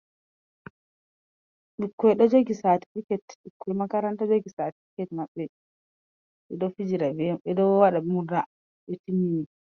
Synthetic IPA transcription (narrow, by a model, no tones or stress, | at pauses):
ɓikːɔjɗɔd͡ʒoɡisati̥fikɛtɓikʰːɔɛmakaɾantad͡ʒoɡisaːtifikɛtmaɓːɛ | ɓɛdɔfid͡ʒiɾabɛɓɛdɔwaɗamuda | ɓɛtimimi